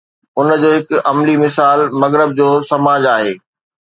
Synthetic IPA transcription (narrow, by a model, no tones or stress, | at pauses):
ʊnd͡ʑoːɦɪkɐmlimɪsaːlmɐɣɾɪb̚d͡ʑoːsɐmaːd͡ʑaːɦḛː